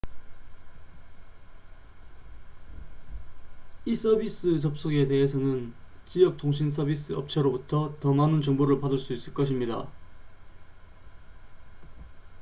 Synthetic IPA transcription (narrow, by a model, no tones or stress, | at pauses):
is͈ʌbis͈ɯt͡ɕʌp̚s͈oɡe̞de̞ɦesʰʌnɯnt͡ɕijʌk̚tʰoŋɕ̬ʰins̬ʰʌbis͈ɯʌp̚t͡ɕʰaɾobutʰʌtʌmanɯnt͡ɕʌŋboɾɯɭpadɯɭs͈uis͈ɯɭk͈ʌɕʰimɲida̰